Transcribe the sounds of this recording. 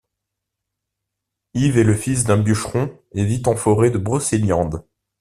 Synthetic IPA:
ivɛləfis̬d̪ɛ̃byʃχɔ̃ | evit̪ɑ̃fɔʁed̪əbʁɔseljɑ̃d̪

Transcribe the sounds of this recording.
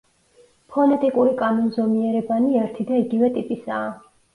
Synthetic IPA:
pʰɔnɛt̪ʼikʼuɾikʼamɔnzɔmiɛɾɛbaniɛɾt̪ʰid̪aiɡivɛt̪ʼipʼisaː

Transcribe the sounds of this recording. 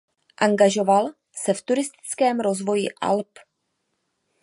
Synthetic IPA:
ʔaŋɡaʒo̞val | sɛft̪uɾɪst̪ɪ̥t͡skɛːmɾo̞zvo̞jɪʔa̰lp

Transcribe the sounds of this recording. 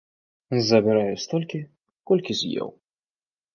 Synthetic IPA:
zɐbʲɛɾajusʲt̪ɔlʲkʲi | kɔlʲkʲizʲjɛ̰w

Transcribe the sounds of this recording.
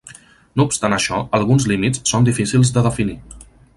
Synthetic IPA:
noupst̪anəʃɔəlˠɣunzlimitssːond̪ifisilˠzd̪əðəfini

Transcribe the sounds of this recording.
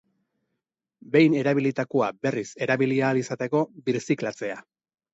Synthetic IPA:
be̞jne̞ɾaβilit̪akuabe̞rise̞ɾaβiliaːlisat̪e̞ko̞biɾsiklat͡se̞a

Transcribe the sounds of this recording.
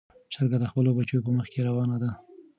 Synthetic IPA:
səɾɡad̪əxpəlobat͡ʃojopəməxkeɾawɑnad̪a

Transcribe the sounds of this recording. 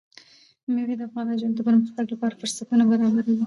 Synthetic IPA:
meɾed̪əafɣɑnɑʒɑnd̪əbəɾməxt̪aɡlapɑɾafʊɾsat̪unabaɾɑbaɾiwi

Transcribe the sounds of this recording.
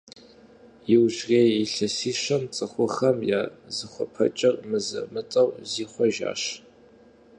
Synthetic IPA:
jɪwʑreːjiɬɐsiːɕɐmt͡sʼɨχʷʊχɐmja̰ːzɨχʷɔpʰɐ̰t͡ʃʼɐrmɨzɐ̰mɨtʼɐwziːχʷɔʒa̰ːɕ

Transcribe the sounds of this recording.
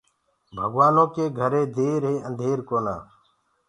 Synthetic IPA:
bʱəɡʋaːnõːkeːɡʱəɾeːd̪eːɾɦeːənd̪ʱeːɾkoːnã̰ː

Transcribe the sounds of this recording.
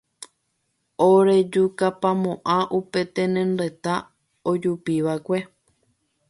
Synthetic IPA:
oɾe̞d͡ʒukapamõʔãʔupe̞t̪ẽnẽnɾe̞t̪a | od͡ʒupiʋakʷe̞

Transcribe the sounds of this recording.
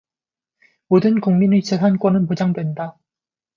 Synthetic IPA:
modɯnkuŋminit͡ɕesʰank͈wʌnɯnpod͡ʑaŋdwe̞nda

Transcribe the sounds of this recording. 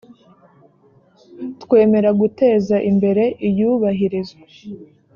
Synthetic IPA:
twe̞ːme̞ɾaɡute̞ːzaʔimbe̞ɾe̞ʔijuːβaɦiɾizwa

